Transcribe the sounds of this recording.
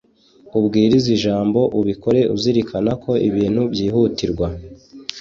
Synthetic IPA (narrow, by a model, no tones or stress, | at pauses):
ubɡiːɾiziʒaːmbo̞ʔuβiko̞ɾe̞ṵziɾikʰanako̞ʔiβiːn̥hubjiːhutiɾɡwa